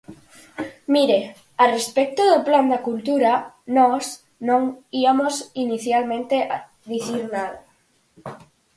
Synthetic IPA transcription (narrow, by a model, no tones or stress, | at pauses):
miɾe | arespek̚t̪oðopland̪akult̪uɾanɔs | nõŋiamosiniθjalmẽnt̪eʔa | ðiθiɾnaða